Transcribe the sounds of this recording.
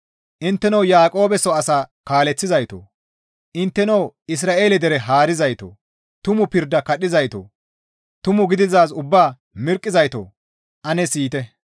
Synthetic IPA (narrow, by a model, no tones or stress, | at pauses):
ʔɪnt̪ːɛnɐwjaːkʼo̞ːbɛsɔɐsaːkaːlɛt͡sːɪzɐjt̪o̰ː | ʔɪnt̪ːɛnɐwɪs̬ɾaːʔe̞ːlɛd̪ɛɾɛɦaːɾɪzɐjt̪o̰ː | t̪ʊmʊpɪɾd̪ːɐkɐɗɪzɐjt̪o̰ː | t̪ʊmʊɡɪd̪ɪzaːsʊbːaː | mɪɾkʼːɪzɐjt̪o̰ː | ʔɐnɛsiːt̪ɛ